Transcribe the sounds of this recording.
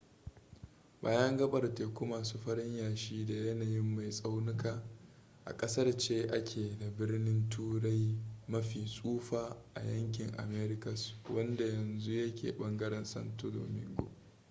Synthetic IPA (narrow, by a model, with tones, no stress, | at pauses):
ba̰ː˨˦jɐ˦ŋɡɐ˦ɓɐ˨rteː˨kʷu˦maː˨suː˦ɸɐ˦ɾɪ˦ɲjaː˨ʃiː˦da˨jɐ˦naː˨jɪ˦mːa˨jsʼa˦wnɪ˦kaː˨ | ʔa̰˨kʼɐ˦sɐ˦rt͡ʃeː˦ʔa˦kʲʰeː˨da˨bɪ˦rnɪ˦ntʰuː˦ɽa˦jmɐ˦ɸiː˨sʼuː˦ɸaː˨ʔa̰˨jɐ˦ŋk̬ʲɪ˨ŋʔa̰˨meː˦ɾɪ˦kɐ˨swɐ˦nda˨jɐ˨nzu˦jɐ˦kʲḛː˨ɓɐ˦ŋɡɐ˦ɾɛ˨nsɐ̰˦ntu˦lo̰˨mɪ̰˦ŋɡo̰˨